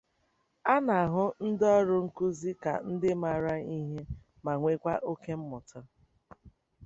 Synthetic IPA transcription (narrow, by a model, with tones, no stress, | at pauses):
a˦na˨a˨ɦʊ˦n̩˦dɔ˦ɾʊ˦ŋ̩˦ku˦zi˦ka̰˨n̩˦dɪ˦ma˨ɾa˦i˦ɦe˦ | ma˨ŋʷe˦kʷa˦ʔo˦ke˦m̩˦mʊ˨tɔ˦